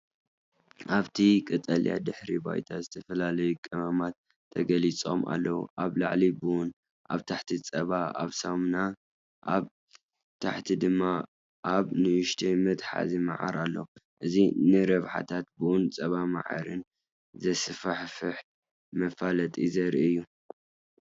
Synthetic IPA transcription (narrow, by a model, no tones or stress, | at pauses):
ʔaβt̪ʰikʼɨt̪ʼɐlja̰d̪ɨħɾiba̰jt̪ʰazɨt̪ʰɐfɐlalɐjukʼɨmɐmat̪ʰː | ɐɡɐlit͡sʼo̞mʔa̰lːɐwṵʔaβla̰ʕlibɨwʊn | ʔaβt̪ʰaħt̪ʰit͡sʼɐβaa̰βsɐmna | ʔaβ | t̪ʰaħt̪ʰid̪ɨmːa | ʔaβnɨɨʃt̪ʰemɨt̪ħa̰zimaʕa̰ɾalːɐ̰wʔɨzinɨɾɐβħa̰t̪ʰat̪̚bɨʔʊnt͡sʼɐβama̰ʕa̰ɾɨn | zɐsɨfaħfɨħ | mɐfalɐt̪ʼḭzɐɾiɨjːu